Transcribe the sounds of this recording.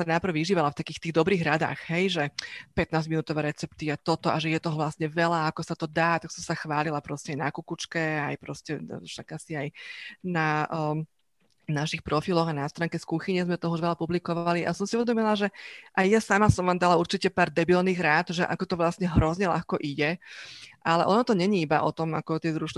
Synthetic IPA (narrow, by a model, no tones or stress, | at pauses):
sanapr̩ʋiʒiːʋalaft̪akiːxt̪iːɣd̪ɔbɾiːɣɾad̪a̰ːxɦɛjʒɛpɛt̪̚naːzminuːt̪ɔʋɛːɾɛt͡sɛp̚t̪iat̪ɔt̪ɔʔaʒɛjɛt̪ɔɦɔʋlasɲɛʋɛlaakɔsat̪ɔd̪aːt̪aksɔmsaxʋaːlilapɾɔscɛajnakukut͡ʃkɛajpɾɔscɛʃakasiajnaː | naʃixpɾɔfilɔɣanast̪ɾaːŋkɛskuxiɲɛzmɛt̪ɔɦɔuʒʋɛlapublikɔʋaliʔa̰sɔmsiuʋɛd̪ɔmilaʒɛʔajjasamasɔmʋaːmd̪alauɾt͡ʃicɛpaːɾd̪ɛbilniːɣɾaːt̪ʒɛʔa̰kɔt̪ɔʋlasɲɛɦɾɔzɲɛʎa̰xkɔʔiɟɛ | ʔalɛʔɔnɔt̪ɔɲɛɲiibaʔɔ̰t̪ɔma̰kɔt̪ɪɛzɾuʃn